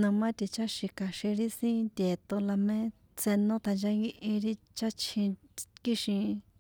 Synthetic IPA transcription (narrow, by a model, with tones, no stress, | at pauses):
nã˧mã˦t̪i˧t͡ʃa˦ʃi˧ka˨ʃĩ˧ɾi˦sĩ˦nd̪ʲe˨t̪o˧la˧mẽ˦ | t͡se˧nõ˦t̪a˧nd͡ʒa˧˦ŋɡĩ˧ʔĩ˧ɾi˦ | t͡ʃa˦t͡ʃʰĩ˧ | ki˦ʃĩ˧